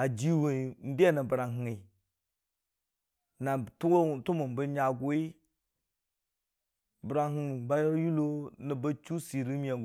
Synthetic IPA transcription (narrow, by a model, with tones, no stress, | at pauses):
a˨d͡ʒi˦we˨i˨n̩˦da˦˨na˨bɾa˨ŋɦŋi˨ | na˨tu˦ɡo˦˨tu˦mu˨m˨bə˦ɲa˨ɡo˦i˦ | bə˨ɾa˨ɦi˨ŋ˨ba˦jo˦ju˦lo˦nə˨ba˦t͡ʃu˦si˨ɾi˦mi˦a˨ɡ